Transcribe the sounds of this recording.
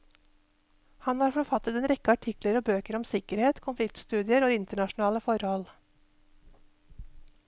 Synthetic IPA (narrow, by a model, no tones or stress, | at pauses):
hɑnhɑːɾfɔɾfɑt̪ət̪ɛnɾɛkəɑʈʰɪkləɾoːbøːkəɾɔmsɪkəɾheːt̪kʰʊnflɪk̚t̪st̪ʉːd̪ɪəɾoːɪnt̪əɳɑʃn̩ɑːləfɔɾhɔl